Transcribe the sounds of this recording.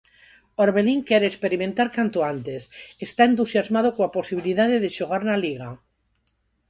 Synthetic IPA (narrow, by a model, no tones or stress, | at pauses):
oɾβeliŋkeɾekspeɾimẽnt̪aɾkant̪oant̪esest̪aent̪usjazmað̞okoaposiβ̞iliðaðeðeʃoɣ̞aɾnaliɣ̞a